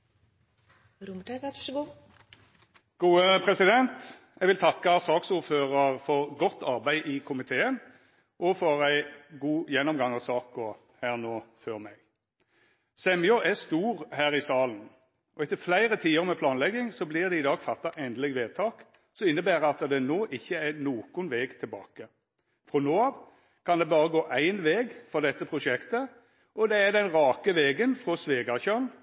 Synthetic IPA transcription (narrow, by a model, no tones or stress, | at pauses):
ɡ̥uːəpʰʁɛsɪd̪ɛnt̪ | ɛɡʋɪlt̪ʰɑkːɑsɑːksuːʁføːʁɑʁfɔʁɡɔt̪ʰːɑʁbæɪʔɪkʰʊmɪt̪ʰeːən | ʔɔfɔɾæɪɡuːjɛnːɔmɡɑŋɑsɑːkɔ | hæːʁnoːføʁmɛɡ̥ | sɛmɪɔʔɛst̪uːʁhæːʁɪsɑːln̩ | ʔɔɛt̪ːəflæɪɾət̪ʰiːəʁmɛpʰlɑːnlɛɡːɪŋsɔblɪʁd̪ɛɪd̪ɑːɡfɑt̪ːɑʔɛnd̪lɪɡʋeːt̪ʰɑːk | sɔɪnːəbæːɾəɑt̪əd̪ɛnoːʔɪçːəænoːkʊnʋɛːɡt̪ʰɪlbɑ̰ːkə | fʁɔnoːɑʋ | kʰɑnd̪ɛbɑːʁəɡoːʔæɪnʋeːɡfɔʁd̪ɛt̪ːəpʰɾʊʂɛkt̪ə | ʔɔd̪ɛæd̪ɛnʁɑːkəʋɛːɡənfʁɔsʋeːɡɑçøn